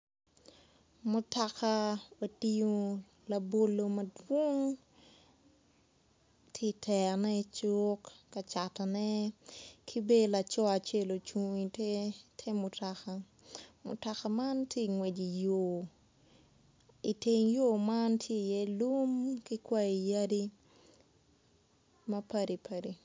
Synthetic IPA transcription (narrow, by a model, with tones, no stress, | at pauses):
mʊta˨ka˦wa˨ti˦jo˦ | la˨bo˨lo˨mɐdwo˦ŋ | tʰje˦tʰɛ˨nɛ˦t͡ʃokːa˨t͡ʃa˨ta˨nɛ˦kʰi˦be˦la˨t͡ʃɔ˦a˨t͡ʃe˦lo˨t͡ʃu˨ŋi˨ttʰɛ˦mʊtaka | mʊ̰˨ta˨ka˨ma˦ntʰje˦ŋwɛ˨d͡ʒi˨jo˨ | i˨te˨ŋjo˦ma˦ntʰje˦˨jɛ˦lu˦mki˦kwa˦i˨ja˦di˦ | mɐpa˦di˨pʰa˨di˨